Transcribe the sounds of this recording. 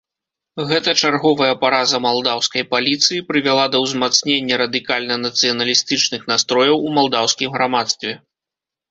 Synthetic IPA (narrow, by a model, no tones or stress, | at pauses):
ɣɛt̪ɐt͡ʂarɣɔvɐjɐpaɾazɐmalˠd̪awskɐjpalʲit̪sɨjipɾɨvʲalˠad̪ɐwzmat̪snʲenʲːɐɾɐd̪ɨkalʲnɐnɐt̪sɨjɐnɐlʲist̪ɨt͡ʂnɨxnast̪ɾɔjɐwumalˠd̪awsʲkʲimɣɾamat̪st̪vʲɛ